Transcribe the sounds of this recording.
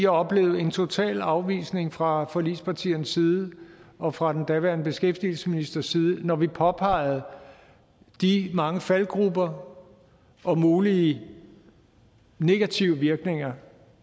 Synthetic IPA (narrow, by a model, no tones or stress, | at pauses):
iɑɒ̽b̥le̝ːʊð̩ˠe̝nt͡sʰo̝t͡sʰɛ̰ːlɑ̈ʊʋḭːsne̝ŋfʁɑ̈fɒ̽liːspʰɑ̈t͡sʰḭːɐnsːiːð̞ˠəɒ̽fʁɑ̈d̥end̥æʋæɐnəb̥e̝sɡ̥efd̥il̩sə̥minisd̥ɐsiːð̞ˠənɒʋipʰɒ̽pʰɑ̈ɪ̰ð̞̩ˠ | d̥imɑ̈ŋəfælɡ̥ʁubɐ | ʔɒ̽muːliə | ne̝ɡ̥æt͡sʰiʊəʋiɐɡ̥ne̝ŋɐ